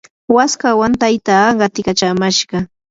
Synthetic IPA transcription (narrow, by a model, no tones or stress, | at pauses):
waskawant̪ajt̪aːɢɑt̪ɪkat͡ʃamaʃɢɑ